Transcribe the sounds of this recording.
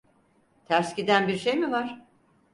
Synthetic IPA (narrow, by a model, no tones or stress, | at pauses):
t̪ʰæɾscid̪ænbiɾʃejmivaɾ̥